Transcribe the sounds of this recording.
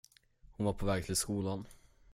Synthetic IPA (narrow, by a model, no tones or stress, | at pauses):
hʊnvaɾpʰɔvɛːɡ̚t̪ʰɪlskuːlan